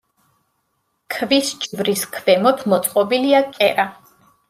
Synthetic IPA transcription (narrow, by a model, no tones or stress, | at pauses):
kʰvisd͡ʒvɾiskʰvɛmɔpʰmɔt̪sʼqʼɔbiliakʼɛɾa